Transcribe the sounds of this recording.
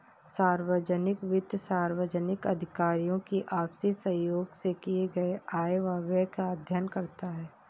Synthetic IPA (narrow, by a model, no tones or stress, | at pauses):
saːɾwəd͡ʒənɪkʋɪd̪jsaːɾwəd͡ʒənɪkɐd̪ʱɪkaːɾijõkiʔaːpsisɐjoːɡsekieɡɐeaːeʋaːbɛkad̪ʱjənkɐɾt̪aɦɛː